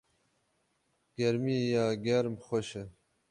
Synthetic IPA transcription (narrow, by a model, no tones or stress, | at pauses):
ɡ̥eɾmijaːɡeɾmxoɕe